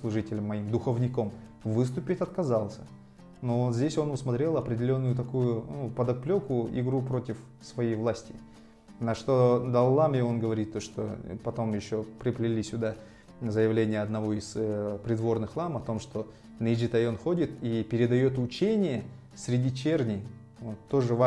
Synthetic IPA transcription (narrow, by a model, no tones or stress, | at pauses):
slˠʊʐɨtʲɪlʲəmːɐimd̪ʊxəvnʲɪko̞m | vɨs̬t̪ʊpʲɪtʲɐt̪kɐzalˠsʲə̥ | no̞zʲdʲesʲo̞nʊsmɐt̪ɾʲe̞lˠɐpɾʲɪdʲɪlʲo̞nːʊjʊt̪ɐkujʊnupəd̪ɐplʲokʊɪ̰ɡɾupɾo̞tʲɪf | svɐjejvlˠasʲtʲɪ | nɐʂt̪o̞d̪ɐlˠːamjeo̞nɡəvɐɾʲit̪ːoʂt̪o̞̰pɐt̪o̞mjɪɕːo̞pɾʲɪplʲɪlʲisʲʊd̪a | zəjɪvlʲenʲɪjəɐd̪nɐvoizpɾʲɪd̪vo̞rnɨxlˠamɐt̪o̞mʂt̪o̞ | nəɪd͡ʒit̪ɐjo̞nxodʲɪt̪ipʲɪɾʲɪd̪ɐjo̞t̪ʊt͡ɕenʲɪjə | sʲɾʲɪdʲit͡ɕernʲɪj | vot̪ːo̞ʐɨva